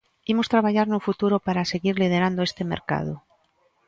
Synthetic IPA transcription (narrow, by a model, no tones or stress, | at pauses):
imo̞st̪ɾaβaʝaɾnufut̪uɾopaɾase̞ɣiɾlið̞e̞ɾand̪oe̞st̪e̞mḛɾka̰ð̞o